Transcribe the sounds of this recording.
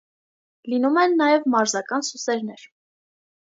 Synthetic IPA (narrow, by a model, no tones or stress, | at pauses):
linumɛnːɑjɛvmɑɾzɑkɑnsusɛɾn̪ɛɾ